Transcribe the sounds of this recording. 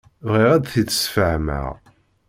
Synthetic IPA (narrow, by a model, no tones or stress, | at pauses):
vʁiʁæd̪θit͡sːə̥sfəʕmə̰ʁ